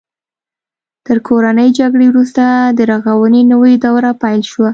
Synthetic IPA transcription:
t̪əɾkʰoɾanəjd͡ʒaɡɽewɾust̪ad̪əɾɑɣawənenəwed̪awɾapajlʃwa

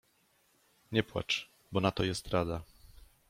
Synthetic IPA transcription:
ɲɛpwa̰t͡ʂ | bɔnat̪ɔjɛst̪ɾad̪a

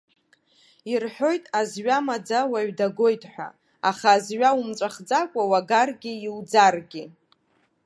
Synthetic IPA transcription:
irħʷᶣo̞jtʼazɥamad͡zawaɥdaɡo̞jtʼħʷᶣa̰ | aχaːzɥaumt͡ʃʷʼaχd͡zakʷʼawaɡarɡʲɪiwd͡zarɡʲɪ

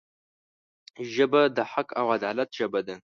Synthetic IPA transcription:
ʒɐbɐdaħakʼʰa̰wadʕalɐtʰʒ̥ɐbɐdɨ

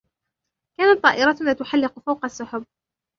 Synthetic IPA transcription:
kaːnat̪ˤːɑːʔɪɾˤɑt̪naːt̪ʊħalːɪqʊfawqasːʊħʊb̚

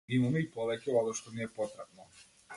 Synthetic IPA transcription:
imamɛipɔvɛcɛlˠad̪ɔʃt̪ɔniɛpɔt̪ɾap̚nɔ

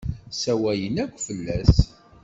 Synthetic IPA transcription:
sæwæjənækʷːfəlːæs

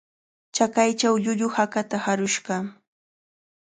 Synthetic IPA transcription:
t͡ʃakajt͡ʃawʎʊʎʊhakat̪ahaɾʊʃɢɑ

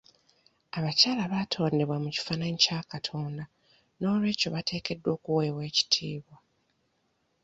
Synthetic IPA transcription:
aβacaːlaβaːtʰo̞ːnde̞βwamuci̥fanaɲicaːkatʰo̞ːnda | no̞ːlwe̞ːco̞βatʰe̞ːke̞dːwo̞ːkuwe̞ːwe̞ːci̥tʰiːβwa

